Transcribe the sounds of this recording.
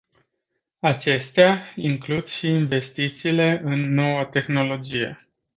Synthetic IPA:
at͡ʃe̞st̪eaiŋklud̪̥ʃiːnve̞st̪it̪siːle̞ʔɨnːo̞wət̪e̞xno̞lo̞d͡ʒije̞̰

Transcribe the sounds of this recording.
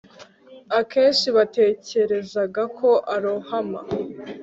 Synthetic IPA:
ake̞ːnʃiβate̞ːce̞ɾe̞zaɡakʰo̞ʔaɾohama

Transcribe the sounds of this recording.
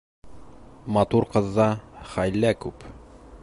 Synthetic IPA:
mɑt̪uɾqɤ̆ðːɑχæjlːækʉp

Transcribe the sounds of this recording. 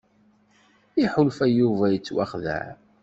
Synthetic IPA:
iħʊlfæjuvæjət͡sːwaχðæ̰ʕ

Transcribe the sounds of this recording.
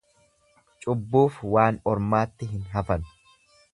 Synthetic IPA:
t͡ʃʼʊbːuːfwaːnɔɾmaːt̪ːɪɦɪnɦɐfɐnʊ̥

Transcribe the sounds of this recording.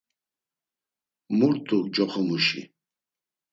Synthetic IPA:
muɾt̪ʰʼud͡ʒɔχʰɔmuʃḭ

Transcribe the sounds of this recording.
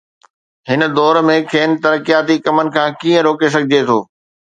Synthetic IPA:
ɦɪnə̆d̪ɔːɾmẽkʰeːn̆t̪ɐɾəkijaːt̪ikɐmənɪ̆kʰãːkiːə̃ɾoːkes̬ɐɡʱɪd͡ʑet̪ʰo̰ː

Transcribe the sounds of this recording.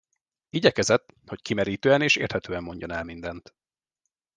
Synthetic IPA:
iɟɛkɛzɛt̪ːho̞ckimɛɾiːt̪øːɛneːʃḛːrt̪hɛt̪øːɛmːo̞ɲɟonɛlmind̪ɛnt̪

